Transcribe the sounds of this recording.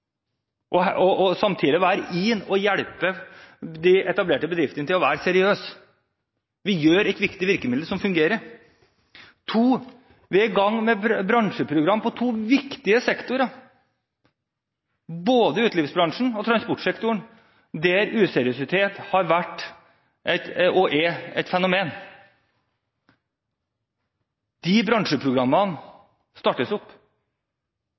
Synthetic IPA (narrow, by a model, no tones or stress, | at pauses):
ʔɔɔɔsɑmt̪ʰiːd̪ɪʋæːɾʔɪnɔjæɽpəd̪ɪʔɛt̪ɑbleːʈəbəd̪ɾɪft̪ənət̪ɪlɔʋæːɾsɛɾɪøːs | ʋɪjøːɾɛɪt̪ʋɪkt̪ɪʋɪɾkəmɪd̪̩sɔmfʉŋɡeːɾəɾ | t̪ʰuː | ʋɛɡɑŋːmɛbɾɑŋʂəpʰɾʊɡɾɑmːpʰɔt̪ʰuːʋɪkt̪ɪəsɛkt̪ʊɾɑ | boːd̪əʉːt̪lɪːʋsbɾɑŋʂɳ̩ɔt̪ʰɾɑnspɔʈʂɛkt̪ʊɳ̩ | d̪ɛɾʉːsɛɾɪʊsɪt̪ʰeːt̪hɑɾʋæʈː | ʔɛt̪ɔʔɛɛ̰ɪt̪fɛnʊmeːn | d̪̥ibɾɑŋʂəpʰɾʊɡɾɑmːɑn | st̪ɑːʈːəsʊpː